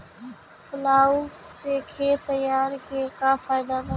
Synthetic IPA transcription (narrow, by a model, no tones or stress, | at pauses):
pəlaːuːseːkʰeːt̪əjaːɾkeːkaːfaːɪd̪aːnə